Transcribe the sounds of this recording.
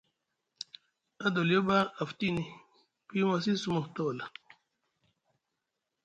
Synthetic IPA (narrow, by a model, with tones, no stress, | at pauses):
a˦do˨lo˦ba˦a˨fti˦ni˨ | pi˦ma˨s̬i˦su˦mɔ˨t̪ɔ˦˨la˨